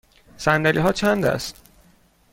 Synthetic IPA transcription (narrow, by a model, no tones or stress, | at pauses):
sænd̪ælʔḭːɦɒːt͡ʃʰænd̪æ̰st̪